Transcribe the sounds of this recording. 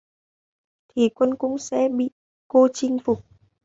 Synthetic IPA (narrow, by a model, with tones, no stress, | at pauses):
t̪ʰi˨˩kwə˧nkʊ̰˧˥ŋ͡msɛ̰˧˥ɓḭ˧˨ | ko˧t͡ɕï˧ŋ̟fʊ˨˩k͡p̚